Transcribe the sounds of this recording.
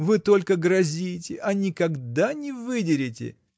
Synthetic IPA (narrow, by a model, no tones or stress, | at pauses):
vɨt̪o̞lʲkəɡɾɐzʲitʲɪʔɐnʲɪkɐɡd̪anʲɪvɨdʲɪɾʲɪtʲɪ̰